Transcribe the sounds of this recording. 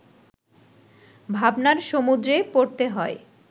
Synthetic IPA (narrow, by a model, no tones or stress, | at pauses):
bʱabnaɾʃomud̪ɾepoɾt̪eɦɔe